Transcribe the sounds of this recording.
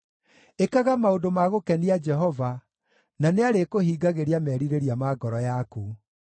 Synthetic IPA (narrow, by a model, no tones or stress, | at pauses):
ekaɣamaodomaɣokɛniad͡ʒɛɦɔva | naneaɾekohiːɡaɣeɾiamɛɾiɾeɾiamaɡɔɾɔjaku